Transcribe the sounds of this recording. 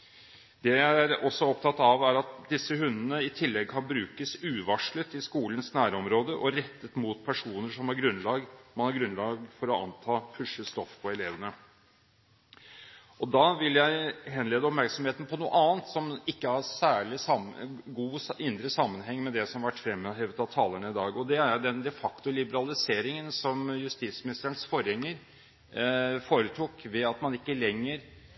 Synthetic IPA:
d̪ɛæææɾɔsːɔɔp̚t̪ʰɑt̪ːɑʋæɾɑt̪d̪ɪsːəhʉnːənəɪt̪ʰɪlːɛɡ̚kʰɑnbɾʉːkəsʉːʋɑʂɭət̪ɪskuːlənsnæːɾəɔmɾoːd̪əʔɔɾɛt̪ːət̪muːt̪pʰæʂuːnəʂɔmhɑɾɡɾʉnlɑːɡmɑnhɑɾɡɾʉnlɑːɡfɔɾɔɑ̰nt̪ʰɑːfʰʉʂəst̪ɔfːpʰɔɛleːʋənə | ʔɔd̪ɑːʋɪljæɪhɛnleːd̪əɔpmæɾksɔmeːt̪n̩pʰɔnuːə̰ʔɑːnt̪sɔmɪkːəɑɾsæːɭɪsɑɡuːɪnd̪ɾəsɑmːənɦɛŋːmɛd̪ɛsɔmʋæʈːfɾɛmːəɦɛːʋət̪ɑʋt̪ʰɑːləɳəɪd̪ɑːɡɔd̪ɛæɾd̪ɛnd̪ɛfɑkt̪ʊlɪbəɾɑlɪseːɾɪŋənsɔmjʉst̪it̪smɪnɪst̪əɾəɳsfɔɾhɛŋːəɾ | foːɾət̪ʰuːkʋɛɑt̪mɑnɪkːəlɛŋːəɾ

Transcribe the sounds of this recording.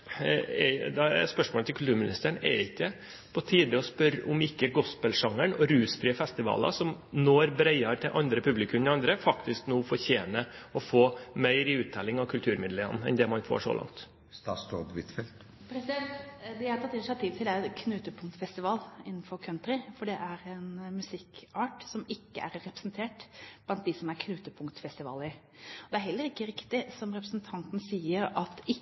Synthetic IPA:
ɛ̰d̪ɛɛ̰ɾspœʂmoɔːlət̪ɪkʰʉlt̪ʉːɾmɪnɪ̰st̪æɳɛ̰ɾɪkːə | pʰɔt̪ʰiːd̪ɪɔspœɾʊmɪkːəɡɔspəlʂɑŋːəɳɔɾʉːsfɾiəfɛst̪ɪʋɑ̰ːlɑ̰sɔm | noːɾbɾæɪɑɾt̪ʰɪlʔɑnd̪ɾəpʰʉblɪkʰʉmɛɑnd̪ɾəfɑkt̪ɪsknuːfɔɾçeːnəɔfoːmœɪɾɪʉːt̪̚d̪ɛlɪŋɑʋkʰʉlt̪ʰʉːɾmɪd̪ləə̰nɛ̰nd̪ɛmɑnfo̰ːʂɔ̰lɑ̰ŋt̪ | st̪ɑ̰ːst̪od̪ʋɪt̪fɛlt̪ | pʰɾɛsɪd̪ɛnt̪d̪ɪhɑɾt̪ɑt̪ːɪnɪsɪɑt̪ʰiːʋt̪ʰɪld̪æɾɛkʰnʉːt̪əpʰʊŋt̪fɛst̪ɪʋɑːlɪnːn̩fɔɾkʰœnt̪ɾɪfɔɖɛʔæɾɛnmʉsɪkɑːʈsɔmɪkːə̰ʔæɾːɛpɾəsnt̪ʰeːʈb̥lɑnt̪̚d̪ɪsɔmæɾkʰnʉːt̪əpʰʊŋkt̪fɛst̪ɪʋɑ̰ːlɪ | ɔd̪ɛæɾɦɛlːəɾɪkːəɾɪkt̪ɪsɔmɾɛpɾəsnt̪ʰɑnt̪n̩siːəɾɑt̪ɪ

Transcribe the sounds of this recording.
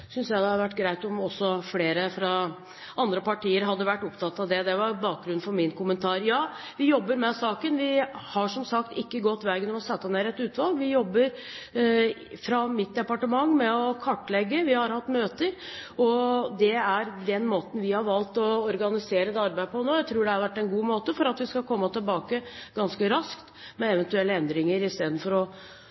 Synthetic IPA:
sʏnsjæɪd̪ɛhɑɾʋæʈːɡɾæɪt̪ɔmɔsːɔfleːɾəfɾɑ | ʔɑnd̪ɾəpɑʈiːəɾɦɑd̪ːəʋæʈːʊpt̪ʰɑt̪ːɑʋd̪ɛd̪ɛʋɑɾbɑːk̚ɡɾʉnfɔɾmɪnkʊmənt̪ʰɑːɾjɑː | ʋɪjɔbːəɾmɛsɑːkənʋɪhɑʂɔmsɑkt̪ɪkːəɡɔt̪ːʋɛːɡənɔmɔsɛt̪ːəneːɾɛt̪ʉːt̪ʋɑlɡʋɪjɔbːəɾ | fɾɑmɪt̪̚d̪ɛpɑʈəmɑŋːmɛɔkʰɑʈːlɛɡːəʋɪhɑɾhɑt̪ːmøːt̪əɾɔd̪ɛæɾd̪ɛnmoːt̪n̩ʋɪhɑɾʋɑlt̪ɔɔɾɡɑnɪseːɾəd̪ɛɑɾbæɪpʰɔnoːjæɪt̪ʰɾuːɖɛhɑɾʋæʈːɛnɡuːmoːt̪əfɔɾɑt̪ʋɪskɑkʰɔmːət̪ʰɪlbɑːkəɡ̥ɑnskəɾɑskt̪mɛɛʋɛnt̪ʉɛlːəɛnd̪ɾɪŋəɾɪst̪eːd̪nfɔɾɔ

